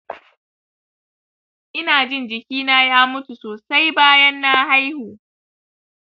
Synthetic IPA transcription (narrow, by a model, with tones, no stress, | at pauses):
ʔɪ˦naː˨d͡ʒɪ˦nd͡ʒɪ˨kʲiː˦naː˦jaː˦mʊ˦tu˨soː˨sa˦jbaː˦jɐ˦nːaː˦ɦa˦jhoː˨